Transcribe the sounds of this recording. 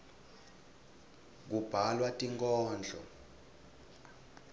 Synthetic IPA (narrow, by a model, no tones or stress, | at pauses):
k̬ub̥ʱalwatʼiŋkʼɔːnd͡ɮʱɔ